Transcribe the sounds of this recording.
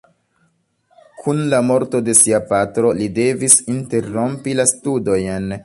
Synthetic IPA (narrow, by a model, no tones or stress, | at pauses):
kʰunlamo̞ɾto̞de̞siapatɾo̞lide̞visinte̞ɾo̞mpilastudo̞jn